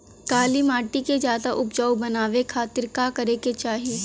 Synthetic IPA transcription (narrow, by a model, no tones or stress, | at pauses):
kaːlimaːʈikezjaːd̪aʔʊp̚d͡ʒaːwbɐnaːʋekʰaːt̪ɪɾkakɐɾeket͡ʃaːɦi